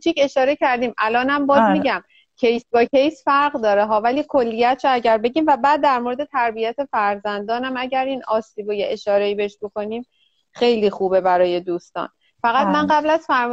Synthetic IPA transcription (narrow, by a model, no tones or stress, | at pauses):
t͡ʃʰice̞ʃɒːɾe̞cʰæɾd̪iːmʔælɒːnæmbɒːzmiɟæm | cʰejsbɒːcʰe̞jsfæɾɣd̪ɒːɾeɦɒːvæliːkʰo̞lːijæt̪ʰɾoæɟæɾbe̞ɟiːmvæbæːd̪̚ːæɾmoɾed̪e̞t̪ʰæɾbijæt̪ʰe̞fæɾzænd̪ɒːnæmæɟæɾiːnɒːsiːbojeʔeʃɒːɾe̞iːbe̞eʃbo̞ko̞niːm | xe̞jliːxuːbe̞bæɾɒːje̞d̪uːst̪ɒ̰ːn | fæɣæt̪mænɢæblæzfæɾm